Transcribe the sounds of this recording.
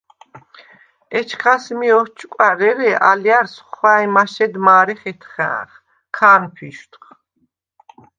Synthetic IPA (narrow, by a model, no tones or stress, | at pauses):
ɛt͡ʃʰχʰasmiɔht͡ʃʰʼkʼaɾɛɾɛʔaljaɾsχwajmaʃɛd̪maːɾɛχɛt̪ʰχɛ̰̃ːχ | kʰaːnpʰiʃt̪ʰχ